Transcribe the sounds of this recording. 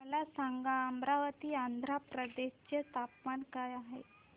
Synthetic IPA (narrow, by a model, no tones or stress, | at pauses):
əlasaŋɡaəmɾaʋət̪iːand̪ʱɾapɾəd̪eɕt͡ɕet̪apmaɳkajaɦe